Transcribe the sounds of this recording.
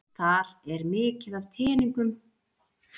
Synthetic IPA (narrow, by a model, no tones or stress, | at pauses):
θaɾɛɾmɪːcɪðav̥t̪ʰɪːniŋkʏm